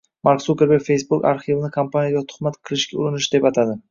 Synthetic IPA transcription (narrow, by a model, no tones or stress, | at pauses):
maɾksukʲeɾbefe̞jsbʊka̰ɾχivnɪkʰampʰanʲijaɡʲat̪ʰʊ̥χmat̪qʰɨlˠɪʃkʲaʊɾɪnɪʃd̪e̞pat̪ʰad̪ɪ